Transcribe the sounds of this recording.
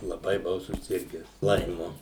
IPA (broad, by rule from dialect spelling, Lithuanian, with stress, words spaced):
lˠɐˈbɐɪ bʊˈʋɐʊ sʊˈsʲɪrʲɡʲæːs ˈlˠɐɪmʊ